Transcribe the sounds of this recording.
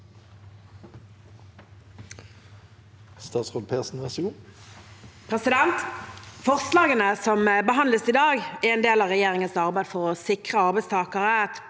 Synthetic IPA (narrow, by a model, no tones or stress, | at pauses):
st̪ɑːt̪sʁoːlpʰeːsn̩ʋɛsɡuː | pʰʁɛsɪd̪ɛnt̪fɔʁslɑːɡənəsɔmbəɦɑnləsid̪ɑːɡɛɛnd̪eːlɑʋʁɛjeːʁɪŋənsɑʁbæɪd̪fɔʁɔsɪkʁəɑʁbæɪst̪ʰɑːkəʁət̪